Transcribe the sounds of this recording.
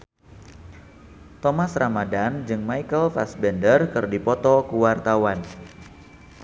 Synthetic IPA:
t̪ɔmasramadand͡ʒɨŋmaikəlfa̰sbɛndərkɨrdipɔt̪ɔkuwart̪awan

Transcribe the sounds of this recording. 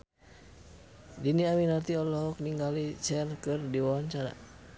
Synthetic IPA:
diniaminart̪iɔlɔɦɔk̚niŋɡalit͡ʃɛrkɨrdiwawaɲt͡ʃaɾa̰

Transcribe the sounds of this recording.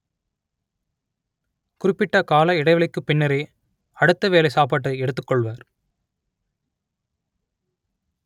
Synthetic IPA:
kʊrɪpːɪʈːɐkaːlɐɪɽɐɪʋɐɭɪkːɯpːɪɳːɐɾeː | ɐɽɯt̪ːɐʋeːlɐɪsaːpaːʈːɯɛɽɯt̪ːɯkːɔɭʋaːɾ

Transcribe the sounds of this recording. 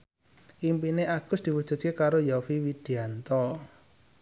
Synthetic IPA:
ʔimpineʔaɡ̥ʊsd̪̥i̤wud̥ʒ̥ṳt̪̚kekaɾojafiwid̪̥i̤ant̪ɔ

